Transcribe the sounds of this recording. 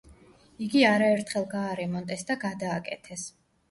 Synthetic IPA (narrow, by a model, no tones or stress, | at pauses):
iɡiaɾaɛɾt̪ʰχɛlˠɡaːɾɛmɔnt̪ʼɛsd̪aɡad̪aːkʼɛ̰t̪ʰɛs